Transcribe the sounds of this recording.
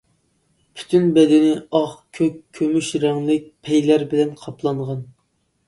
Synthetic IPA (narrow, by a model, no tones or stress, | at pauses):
pʰy̥t̪ʰynbɛd̪ɪnɪɑχkʲʰøkʲʰːømyʃɾɑŋlˠɨk̚ʲpʰɛjlæɾbɪlɛnqʰɑplˠɑɴʁɑn